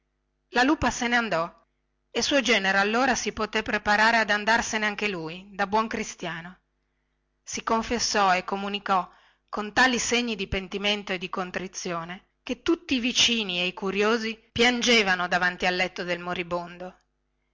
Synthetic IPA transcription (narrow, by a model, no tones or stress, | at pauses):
laluːpaseneand̪ɔ | esuod͡ʒɛːneɾoalːoːɾasipot̪epːɾepaɾaːɾead̪and̪arseneaŋkelujd̪abwɔŋkɾist̪jaːno | sikoɱfesːɔekːomunikɔ | kːont̪aːliseɲːid̪ipent̪iment̪oed̪ikont̪ɾit̪sːjoːne | ket̪ːut̪ːiːvit͡ʃiːnieikuɾjoːzipjand͡ʒeːvanod̪avant̪ialːɛt̪ːod̪elmoɾibond̪o